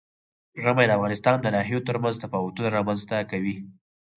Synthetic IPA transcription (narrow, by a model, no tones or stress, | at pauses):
ʐəmajd̪əafɣɑnɪst̪ɑnd̪ənɑɦijot̪əɾmanzd̪əpɑwat̪unaɾɑmanzt̪akawi